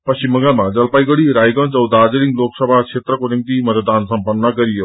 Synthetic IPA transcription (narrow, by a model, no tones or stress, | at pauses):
pɐst͡ɕimɐ̃ŋɡəlmãd͡ʑɐlpaːiɡəɽiɾaːjɡə̃t͡ɕɐwd̪aːd͡ʑlɪ̃ŋɡloːksɐbʱakʃʰeːt̪ɾəkonɪmt̪imɐt̪d̪aːnsɐ̃mpənːɐkɐɾio